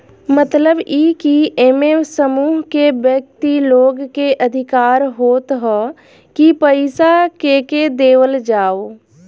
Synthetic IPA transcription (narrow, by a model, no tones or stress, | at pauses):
mət̪ləbikieːmesəmuːɦkebjək̚t̪iloːɡkeʔəd̪ʱɪkaːɾɦoːt̪ɦɔː | kipəɪsakeked̪eːwəld͡ʒaːoː